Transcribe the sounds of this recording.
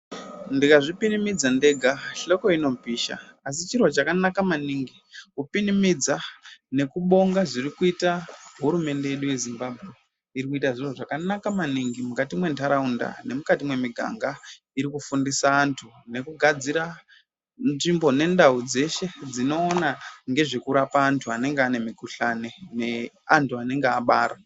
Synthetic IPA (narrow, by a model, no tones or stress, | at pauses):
ndikaʐipinimid͡zande̞ɡʱaɬo̞ko̞ino̞piːʃa̰as̬it͡ʃirwot͡ʃakanakamaniŋɡi | kupinimid͡zane̞kuɓo̞ŋɡaʐirikuitaɦuɾume̞nde̞je̞ɗuje̞zimbabʱɣe̞ | iɾikuitaʐirwoʐakanakamaniŋɡimukatimwe̞ntaɾaunda̰ne̞mukatimwe̞miɡʱa̰ŋɡa | iɾikufundisaːntʰu | ne̞kuɡʱad͡ziɾa | nʐimbo̞ne̞ndaud͡ze̞ʃe̞d͡zino̞ːnaŋɡe̞ʐekuɾapaːntʰuane̞ŋɡeane̞mikuɬane̞ne̞ | antʰuane̞ŋɡeaɓaːɾa